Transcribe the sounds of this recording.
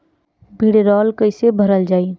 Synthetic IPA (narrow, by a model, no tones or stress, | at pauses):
bʱiɽeɾɔlkəɪsebʱəɾəld͡ʒaːi